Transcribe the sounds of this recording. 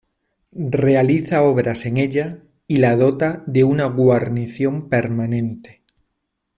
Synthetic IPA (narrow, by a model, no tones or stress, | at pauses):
re̞aliθao̞βɾase̞ŋe̞ʎa | ilað̞ot̪aðe̞unaɣwaɾniθjo̞mpe̞ɾmanẽ̞nt̪e̥